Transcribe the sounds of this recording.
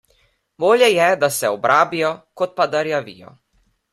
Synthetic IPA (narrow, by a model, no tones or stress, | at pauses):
boːlʲjɛjɛd̪asɛɔbɾʔaːbijɔkɔt̪̚pad̪aɾjaʋḭjɔ̰